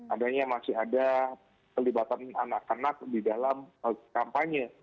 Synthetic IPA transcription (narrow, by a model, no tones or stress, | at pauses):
ʔadaɲamasɪɦada | kəlibat̪ana̰nakənak̚didalaməkampaɲə